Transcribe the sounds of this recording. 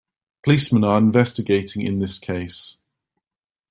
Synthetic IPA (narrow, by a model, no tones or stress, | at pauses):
pʰəliˑsmə̃nəɹɪ̃ɱvɛstɪɡeɪtʰɪ̃ŋɪ̰̃nðɪskʰeɪs